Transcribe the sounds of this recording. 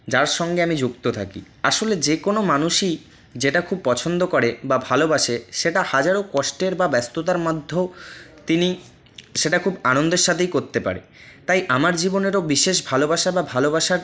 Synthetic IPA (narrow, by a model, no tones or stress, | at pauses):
d͡ʑaɾʃɔŋɡeamid͡ʑukt̪ot̪ʰa̰kḭ | aʃoled͡ʑekonomanuʃi | d͡ʑeʈakʰub̚pɔt͡ɕʰond̪okoɾebabʱalobaʃeʃeʈahad͡ʑaɾokɔʃʈeɾbabɛst̪ot̪̬aɾmad̪ʱːot̪ini | ʃeʈakʰubanond̪eɾʃat̪ʰejkoɾt̪epa̰ɾḛ | t̪ajʔamaɾd͡ʑiboneɾobiʃeʃ̬bʱalobaʃababʱalobaʃaɾ